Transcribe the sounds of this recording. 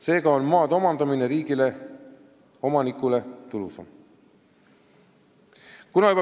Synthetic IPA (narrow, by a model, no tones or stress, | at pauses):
se̞ːɡɑo̞nmɑːd̪o̞mɑnd̪̥ɑmine̞ɾiːɡ̥ile | o̞mɑnikːˑule̞t̪ulusɑm | kunɑyb